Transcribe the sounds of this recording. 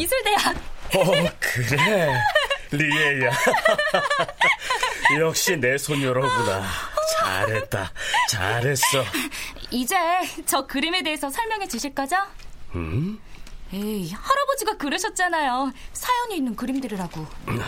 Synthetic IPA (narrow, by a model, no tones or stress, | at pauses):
isʰɯɭdejaʌkɯɾe | lieia | jʌk̚ɕ͈ine̞sʰonjʌɾʌɡunat͡ɕa̰ɾɦe̞t̚t͈at͡ɕa̰ɾɦe̞s͈ʌ | id͡ʑet͡ɕʌkɯɾime̞de̞esʰʌsʰʌɭmjʌŋet͡ɕɯɕʰiɭk͈ad͡ʑaɯ | jehʌɾʌbod͡ʑiɡakɯɾɯɕʰʌt̚t͡ɕ͈anajosʰajʌɲiːnːɯnkɯɾimdɯɾiɾaɡo